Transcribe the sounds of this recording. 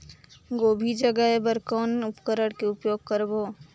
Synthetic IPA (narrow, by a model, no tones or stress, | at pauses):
ɡoːbʱid͡ʒəɡəɦebəɾkɔːnʊpkəɾəɽkeʊpjoːɡ̚kəɾboː